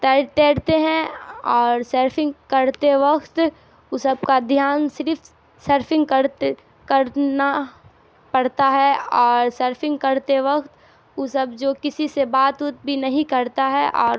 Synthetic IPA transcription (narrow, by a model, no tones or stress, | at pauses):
t̪et̪eːɽt̪eɦɛ̃ɔːɾsəɾpʰɪ̃ŋɡkɐɾt̪eʋɐkt̪ | ʊsəb̚kad̪ʱjaːnsɪɾf | səɾpʰɪ̃ŋɡkəɾ | kɐɾna | pɐɽt̪aɦɛɔːɾsəɾpʰɪ̃ŋɡkɐɾt̪eʋɐkt̪ | ʊsəbd͡ʒoːkɪsisebaːt̪ʊt̪̚bʱinɐɦĩkɐɾt̪aɦɛʔɔːɾ